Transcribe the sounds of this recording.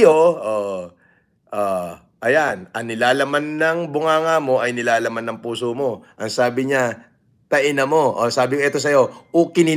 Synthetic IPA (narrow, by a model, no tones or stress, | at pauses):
oʔo | ʔo | ʔɐjanʔɐŋnɪlaːlɐmanːɐŋbʊŋaːŋamo̞ʔɐjnɪlaːlɐmanːɐŋpuːsomo̞ʔɐŋsaːbɪɲa | t̪ɐʔɪnɐmo̞ʔosaːbɪkoʔɛt̪o̞s̬ɐjo̞ʔokɪnɪ